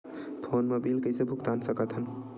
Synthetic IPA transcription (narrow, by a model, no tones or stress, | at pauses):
pʰonmebilkəjsebʱukt̪ansəkət̪ɦən